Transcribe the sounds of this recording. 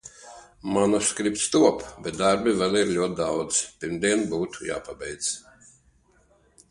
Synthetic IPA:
manɔskɾip̚t̪st̪uɔpbʲɛt̪̚d̪aɾbivɛlˠiɾlʲuɔt̪̚ʲd̪awd̪z̥pʲiɾmd̪iɛnbuːt̪u̥ja̰ːpabɛjd̪z

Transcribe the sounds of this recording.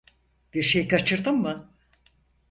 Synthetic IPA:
b̥iɾʃejkat͡ʃʰɯɾd̪ɯmːɯ

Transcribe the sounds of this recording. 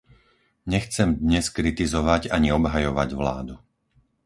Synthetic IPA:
ɲɛxt͡sɛmd̪ɲɛskɾit̪izɔʋaɟaɲiɔbɦajɔʋa̰ɟʋla̰ːd̪u

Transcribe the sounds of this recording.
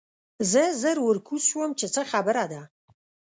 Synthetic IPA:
zəzəɾwəɾkʰuswəmt͡ʃʰet͡səχabəɾad̪a

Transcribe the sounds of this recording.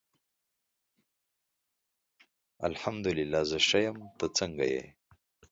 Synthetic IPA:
a̰lħamd̪ʊlɪlːaːzəʃajamt̪ət͡səŋɡa̰jḛ

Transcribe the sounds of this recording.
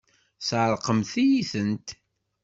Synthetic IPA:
θʕəɾˤqəmθijiθənt̪

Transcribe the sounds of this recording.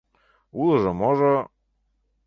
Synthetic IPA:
ulɤ̆ʒɤmoʒɤ

